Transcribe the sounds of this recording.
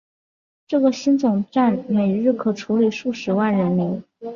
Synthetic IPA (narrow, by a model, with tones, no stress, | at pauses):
ʈ͡ʂɤ˥˩ɡə˩ɕi˥nt͡sʊ˨˩ŋʈ͡ʂa˥˩nme˨˩ɪɻɻ̩˥˩kʰɤ˨˩ʈ͡ʂʰu˧˥li˨˩ʂu˥˩ʂɻ̩˧˥wa˥˩nɻə˧˥nmi˧˥ŋ